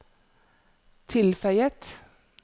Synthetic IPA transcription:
t̪ʰɪlfœʏət̪

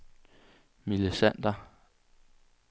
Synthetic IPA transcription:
milisæn̰d̥ɐ

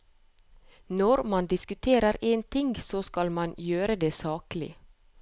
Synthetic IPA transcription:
nɔɾmɑnd̪ɪskʉt̪ʰeːɾəɾeːnt̪ʰɪŋɡsoːskɑlmɑnjøːɾəd̪eːsɑːklɪ̰

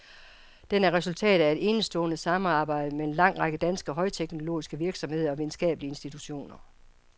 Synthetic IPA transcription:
d̥enæɐʁɛsult͡sʰɛ̰ːd̥̩ˠæe̝d̥e̝nəsd̥ɔ̰̽ːnəsɑ̈mɑ̈ːb̥ɑ̈ɪ̰d̥əmeenlɑ̈ŋ̰ʁɑ̈ɡ̥əd̥ænsɡ̥əɒɦɒ̽ɪt͡sʰeɡ̥no̝lo̝̰ːisɡ̥əʋiɐɡ̥sɒ̽mhe̝ð̞̰ˠɐɒ̽ʋiðˠn̩sɡ̥ɛ̰ːb̥əliəe̝nsd̥it͡sʰuɕo̝̰ːnɐ

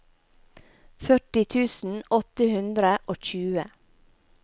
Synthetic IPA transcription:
fœʈɪt̪ʰʉːsn̩ɔt̪əhʉnd̪ɾəʔoːc͡çʉːə

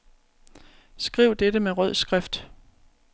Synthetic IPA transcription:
sɡ̥ʁḭʊ̰d̥edɾəmeʁœð̞̰ˠsɡ̥ʁɛfd̥

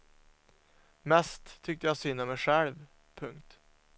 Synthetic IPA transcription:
mɛst̪ʰːʏkt̪əjasyːnəmɛɧɛlv | pʰɵŋkt̪

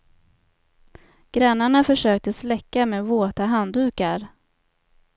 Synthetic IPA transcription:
ɡ̥ɾanːaɳafœʂøːk̚t̪əslɛkːameːvoːt̪aɦand̪ʉ̟ːkaɾ

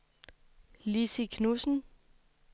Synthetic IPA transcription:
lisikʰnusn̩

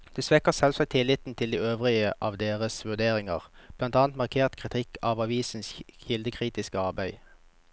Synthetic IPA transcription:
d̪̥ɛsʋɛkəsɛlsɑk̚t̪ʰɪlɪt̪n̩t̪ʰɪld̪iːøːʋʁɪəʔɑːʋd̪eːʁəsʋʉʁd̪eːʁɪŋə̰ʁb̥lɑnt̪ɑːnt̪mɑʁkʰeːʁt̪kʰʁɪt̪ʰɪkʰɑːʋɑʋiːsn̩sçɪld̪əkʰʁiːt̪ɪskəɑʁbæɪ

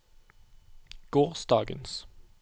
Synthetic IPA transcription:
ɡ̥oːʁsd̪ɑːɡə̰ns

